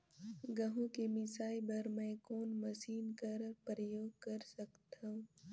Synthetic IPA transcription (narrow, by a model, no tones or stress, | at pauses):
ɡɐɦũkemɪsaːibɐɾmɛ̃koːnmɐsiːnkɐɾpɾəjoːɡ̚kɐɾsɐkt̪ãũ